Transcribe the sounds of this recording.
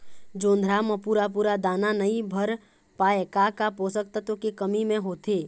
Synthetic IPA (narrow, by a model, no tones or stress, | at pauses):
d͡ʒõːnd̪ʱɾaməpuːɾap̬uːɾad̪aːnanəibʱəɾ | paːekakapoːsək̚t̪at̪okekəmimẽɦoːt̪eː